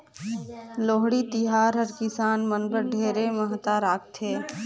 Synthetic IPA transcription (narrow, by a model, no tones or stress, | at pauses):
loːɦɽit̪ɪɦaːɾɦəɾkɪsaːnmənbəɾɖʱeːɾeməɦt̪aɾaːk̚t̪ʰeː